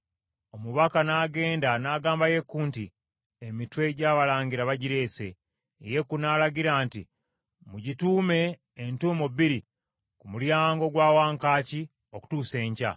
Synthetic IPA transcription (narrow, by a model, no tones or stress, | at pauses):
o̞muβakanaːɡe̞ːndanaːɡaːmbaje̞kːuːnti | emitwe̞ɟaːβalaːɲɡiɾaβaɟiɾe̞ːse̞̰ | je̞kunaːlaɡiɾaːnti | muɟituːme̞ː | ntuːmobiɾi | kumuljaːŋɡo̞ɡwaːwaːŋkaːci | o̞ku̥tuːse̞ːɲca̰